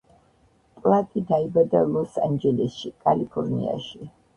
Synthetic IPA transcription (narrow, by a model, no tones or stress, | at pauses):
pʼlˠat̪ʼid̪aibad̪alˠɔsand͡ʒɛlɛsʃikʼalipʰɔɾnḭa̰ʃi